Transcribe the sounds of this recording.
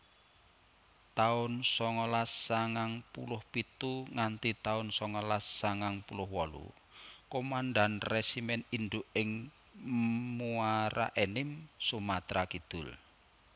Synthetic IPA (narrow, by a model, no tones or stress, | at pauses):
t̪aʊnsɔŋɔlasːaŋaŋpṵlʊhpit̪uŋant̪it̪aʊnsɔŋɔlasːaŋaŋpulʊhwɔlṵ | komanɖanresimɛninɖ̪ʊʔɪŋ | muaɾa̰ʔenɪmsumat̪ɾakid̪̥ʊl